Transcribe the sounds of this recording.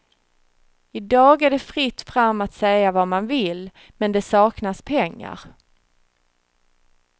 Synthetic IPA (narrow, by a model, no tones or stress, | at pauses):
ɪd̪ɑːɡæɖɛfɾɪt̪ːfɾamːat̪sɛjavamanvɪl | mɛnd̪ɛsɑːknaspʰɛŋːa̰ɾ